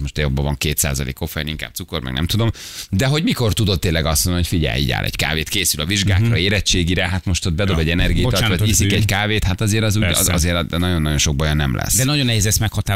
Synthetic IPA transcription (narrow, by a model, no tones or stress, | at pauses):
moʃt̪jobːɒvɒŋkeːt̪sa̰ːzɒlḛːkːo̞fɛjniŋkaːb̪̚suko̞rmʔɛ̰ɡnɛ̰mt̪ud̪o̞md̪ɛɦo̞ɟmiko̞rt̪ud̪o̞t̪ːeːnlːɛɡɒsonocfiɟɛ̰lḭːɟa̰ːlʔɛ̰ɟka̰ːveːt̪keːsylɒviʒɡaːkrɒeːɾɛt͡ʃːeːɡiɾɛɦat̪mo̞ʃt̪od̪̚bɛd̪o̞bɛɟːɛnɛrɡijibot̪ːɒiːsikɛɟkaːveːt̪hat̪ɒzeːɾɒzuːɟ̰ɒ̰zeːɾd̪ɛnɒɟo̞nːɒɟo̞nʃo̞ɡ̚bɒjonːɛmlɛ̰sːd̪ɛnɒjonːɛɦeːzɛsmɛkhɒt̪aː